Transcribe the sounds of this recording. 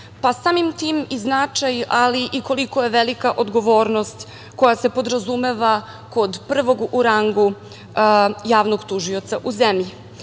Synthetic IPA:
pasaːmimt̪iːmiznat͡ʂajaliʔiko̞liko̞je̞ʋelikaʔo̞d̪ɡo̞ʋo̞ːɾno̞st̪ | ko̞jasepo̞d̪ɾazume̞ʋa | ko̞d̪pr̩ʋo̞ɡuɾaŋɡu | jaːʋnoɡt̪uʒio̞t̪saʔuzemʎi

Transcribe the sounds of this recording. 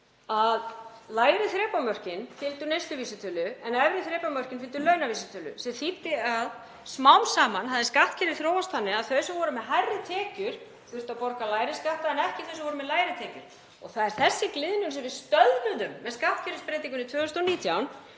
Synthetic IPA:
aðlaːjɾɪθɾɛːpamœr̥cɪnfɪlt̪ʏɾnejst̪lʏviːsɪt̪ʰʏːlʏɛnɛvɾɪθɾɛːpamœr̥cɪnfɪlt̪ʏlœːɥnaviːsɪt̪ʰʏːlʏ̰sɛθipt̪ɪað | smawmsaːmanɦaðɪskaht̪cʰɛɾɪθɾoːwast̪θanːɪaðθœɥsavɔːɾʏmɛðɦajrːɪt̪ʰɛːcʏɾ̥ | θʏɾ̥t̪apɔɾkalaːjɾɪskaht̪aɛnɛhcɪ̥θœɥsavɔɾʏmɛðlaːjɾɪt̪ʰɛːcʏɾ̥ | ɔɣθaðɛɾ̥θɛsːɪklɪðnʏnsɛmvɪðst̪œðnʏðʏmːɛðskaht̪cʰɛɾɪspɾejt̪iŋkʏnɪt̪ʰʏːɣst̪ɔniːt̪ʰjawn

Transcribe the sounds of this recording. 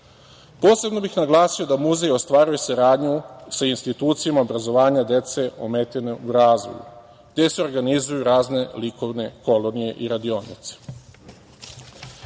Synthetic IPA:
po̞ːse̞bno̞bixnaɡlˠaːsio̞d̪amuzejo̞st̪ʋaːɾuje̞saɾaːd̪ɲusainst̪it̪uːt̪sijamaobɾazo̞ʋaːɲad̪e̞t̪se̞ʔo̞̰meːt̪eneuɾaːzʋo̰jṵ | ɡd̪e̞seo̞ɾɡanizujuɾaːzne̞liko̞ʋne̞ko̞lo̞nije̞̰ʔiɾad̪io̞ːnḭt̪se̥

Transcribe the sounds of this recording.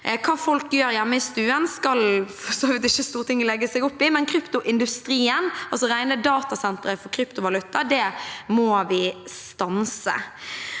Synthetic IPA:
kʰɑːfɔlkjøːɾjæmːəɪst̪ʉːənskɑlfɔsoːʋɪt̪ɪçːəst̪uːʁət̪ʰɪŋːlɛɡːəsɛɡʊpːɪmɛnkʰɾʏpt̪ʊʔɪnd̪ʉst̪ɾiːənɑlsɔɾæɪnəd̪ɑːt̪ɑsɛnt̪ɾəfɔkʰɾʏpt̪ʊʋɑlʉt̪ːɑd̪ɛmɔːʋɪst̪ɑnsə̰

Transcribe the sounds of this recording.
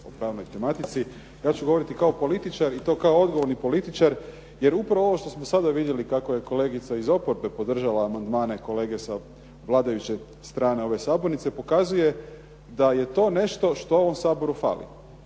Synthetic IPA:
o̰pɾaːʋnojt̪e̞mat̪it̪si | jaːt͡ɕuɡoo̞ɾit̪ikao̞po̞lit̪it͡ʃaɾit̪o̞ːkaoo̞d̪ɡo̞ʋoɾnipo̞lit̪it͡ʃaɾ | je̞ɾupɾaʋooo̞ʃt̪o̞smosad̪aʋid̪je̞likako̞je̞ko̞le̞ːɡit̪saizo̞poɾbe̞po̞d̪r̩ʒalaːmand̪maːne̞ko̞le̞ːɡe̞sa | ʋlˠaːd̪ajut͡ɕe̞ | st̪ɾaːne̞o̞ʋe̞saːboɾnit̪sepo̞kazuje̞ | d̪aje̞t̪o̞ːne̞ʃt̪o̞ʃt̪o̞o̞ʋo̞msaːbo̞ɾufa̰ːlḭ

